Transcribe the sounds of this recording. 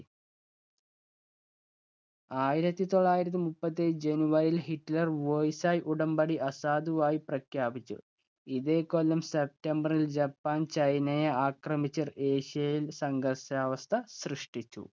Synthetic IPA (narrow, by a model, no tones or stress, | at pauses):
aːjiɾɐt̪ːit̪o̞ɭːaːjiɾɐt̪̬ːɨmupːɐt̪ːed͡ʑenuʋɐɾilhiʈːlɐrʋojsaːjʔuɽɐmbɐɽiʔɐsaːd̪uʋaːjiprɐkʰjaːbit͡ɕːṵ | iðe̞ːkːolːɐmsep̚ʈembɐrild͡ʑɐpːaːnt͡ɕɐjnɐjɐaːkrɐmit͡ɕːɐre̞ːɕijɐjilsɐŋɡɐrsaːʋɐst̪ʰɐsrɨʂʈit͡ɕːṵ